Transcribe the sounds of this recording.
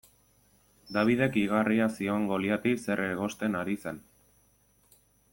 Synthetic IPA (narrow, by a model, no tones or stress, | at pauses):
d̪aβ̞ið̞e̞kiɣ̞ariasio̞ŋɡo̞liat̪ise̞reɣo̞st̪e̞naɾise̞n